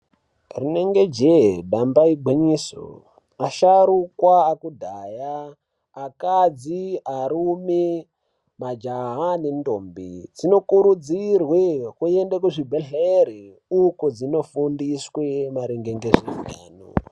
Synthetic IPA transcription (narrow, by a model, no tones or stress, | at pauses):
rineŋɡed͡ʒeɗambaiɡ͡bʱiɲiso̰ | aʃaɾukwaːkudʱajaː | kad͡ziaɾumi | mad͡ʒaɦanendoːmbḭd͡zino̞kuɾud͡zirwekuendekuʐibʱeɬeɾi | ukod͡zino̞fundiswemaɾiŋɡeŋɡeʐiɡa̰ːno̰